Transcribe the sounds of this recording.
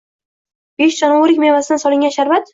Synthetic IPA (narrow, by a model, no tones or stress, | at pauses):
b̥eʃd͡ʒɒnaoɾɪkʲmevasɪd̪sɒlɪŋɡʲanʃaɾvat̪